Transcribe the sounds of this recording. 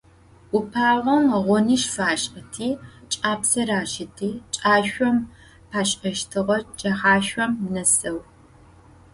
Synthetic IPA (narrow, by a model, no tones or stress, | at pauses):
ʊpʰaːʁʷɔmʁʷʊnɨʃfaːɕʼqɐtʰiːt͡ʃʼaːpsɐɾaːʃɪtʰiːt͡ʃʼaːɕʷɔm | pʰaːɕʼɐʃtʰɨʁɐd͡ʒʼɐχaːɕʷɔmnɐsɐw